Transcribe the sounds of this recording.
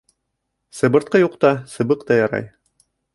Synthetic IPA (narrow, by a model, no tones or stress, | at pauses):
sɤ̆bɤ̆ɾt̪̚qɤjuqt̪ɑsɤ̆bɤqt̪ɑjɑɾɑ̰j